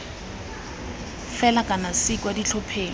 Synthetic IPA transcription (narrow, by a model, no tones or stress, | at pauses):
fɛlakʼanasikʼwadit͡ɬʰɔpʰeːŋ